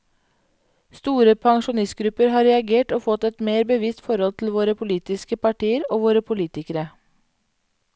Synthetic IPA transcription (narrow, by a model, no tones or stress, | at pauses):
st̪uːɾəpʰɑŋʃʊnɪst̪̚ɡɾʉpəɾhɑːɾɛɑɡeːʈoːfɔt̪ɛt̪meːɾbəʋɪst̪fɔɾɔlt̪ʰl̩ʋoːɾəpʰʊliːt̪ɪskəpɑʈiːəɾoːʋoːɾəpʰʊliːt̪ɪkəɾə